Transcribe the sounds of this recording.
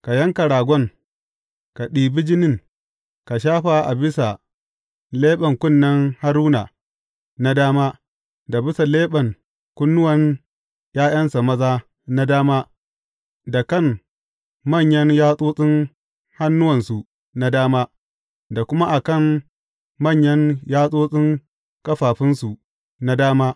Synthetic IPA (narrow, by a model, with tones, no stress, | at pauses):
ka˨jɐ˦ŋka˨ɽaː˨ɡʷɔ˦ŋ | ka˨ɗiː˨bɪ˦d͡ʒɪ˦nɪ˦˨ŋ | ka˨ʃ̬aː˦ɸa˨ʔa˨bɪ˦sa˨ | leː˦ɓɐ˨ŋkʷʊ˦˨nːɐ˦ŋha˦ɾuː˦na˨ | na˦daː˦maː˦ | da˨bɪ˦sa˨leː˦ɓɐ˨ŋ | kʷʊ˦nːʊ˦wɐ˨n | jaː˦j̰ɐ˦nsa˨mɐ˦zaː˦ | na˦daː˦maː˦ | da˨kɐ˦˨m | mɐ˦˨ɲjɐ˦njaː˦sʼoː˦sʼɪ˦ŋ | ha˦nːʊ˦wɐ˨nsu˨ | na˦daː˦maː˦ | da˨kʷʊ˦ma˦ʔa˨kɐ˦˨m | mɐ˦˨ɲjɐ˦ŋjaː˦sʼoː˦sʼɪ˦ŋ | kʼɐ˦ɸaː˨ɸɪ˦nsu˨ | na˦daː˦maː˦